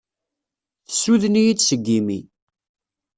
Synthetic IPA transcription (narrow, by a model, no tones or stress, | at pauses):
θəsuðənijidsəɡːimḭ